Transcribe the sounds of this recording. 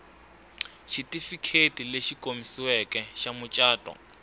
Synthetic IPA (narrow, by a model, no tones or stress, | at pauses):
ʃitʼifikʰetʼileʃikʼomisiwɛkʼɛʃamʊt͡ʃʼaːtʼɔ̰